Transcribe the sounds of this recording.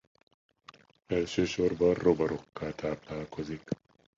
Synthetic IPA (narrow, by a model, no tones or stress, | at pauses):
ɛlʃøːʃorbɒrrobɒɾo̞kːaːt̪aːplaːlko̞zik